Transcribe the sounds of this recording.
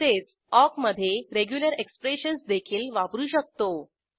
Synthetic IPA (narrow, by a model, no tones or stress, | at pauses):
t̪et͡s | ɔkməd̪ʱːjeɾeɡjuləɾekspɾeɕənsd̪ekʰiːlʋabɾuːɕək̚t̪o